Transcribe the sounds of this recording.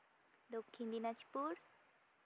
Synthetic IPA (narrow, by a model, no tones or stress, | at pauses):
d̪okʰːind̪inat͡ʃpuɾ